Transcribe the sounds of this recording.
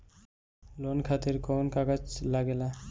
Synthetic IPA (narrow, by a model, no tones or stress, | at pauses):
lonkʰat̪iɾkonkaɡat͡ʃlaɡela